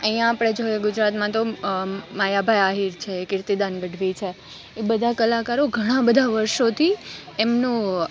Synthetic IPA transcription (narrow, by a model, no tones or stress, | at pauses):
əijãːpɽ̃ed͡ʒojeɡʊd͡ʒɾat̪mãt̪o | majabʱajaɦiɾt͡ʃʰeːkɪɾt̪id̪anɡəɖʱʋit͡ʃʰe | ebəd̪ʱakəlakaɾoɡʱəɽ̃ãbəd̪ʱaʋəɾʃot̪ʰi | emnũ